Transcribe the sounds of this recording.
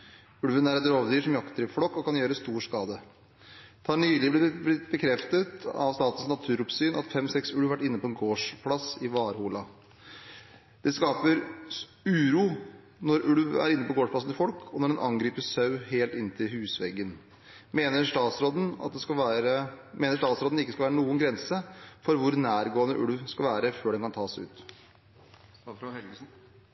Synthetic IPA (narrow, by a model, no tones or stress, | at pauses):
ʉɽʋənæɾɛt̪ɾoːʋd̪yːʂɔmjɑkt̪ʰəɾɪflɔkːɔkɑnjøːɾəst̪uːʂkɑːd̪ə | t̪ʰɑːɳyːlɪblɪbɪbəkʰɾɛft̪ət̪ɑ̰ʋst̪ɑːt̪ənsnɑt̪ʰʉːɾʊpsyːnʔɑt̪fɛmsɛksʉɽʋʋæʈːɪnːəpʰɔɛnɡoːʂpʰlɑsɪʋɑːɾhuːlɑ | d̪̥ɛskɑːpəɾ | ʉːɾuː | nɔɾʉɽʋæ̰ɾɪnːəpɔɡoːʂpʰlɑsn̩t̪ɪfɔlkʰɔnɔɖɛnʔɑŋɡɾiːpəsɑʉheːlt̪ɪnt̪ʰɪlhʉːsʋɛɡːən | meːnəʂʈɑːsɾod̪n̩ɑ̰t̪̚d̪ɛkɑɾəmeːnəʂʈɑːt̪sɾoːd̪n̩ɪkːəskɑlʋæːɾənuːənɡɾɛnsəfɔɾʋʊɾnæːɾɡoːənə̰ʔʉɽʋskɑlʋæːɾəføːɖɛnkɑnt̪ʰɑːsæɪʉ̰ːt̪ | ɛ